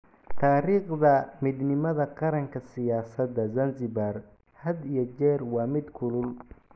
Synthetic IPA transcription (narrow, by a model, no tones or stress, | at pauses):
t̪ʰaːɾiːqd̪ɐmɪd̪nɪmɐðɐqɑɾɐŋkʰɐsɪjaːsɐd̪ɐzɐnzɪbar | hɐd̪ijɔt͡ʃɛːrwɑːmɪd̪kʰʊlʊl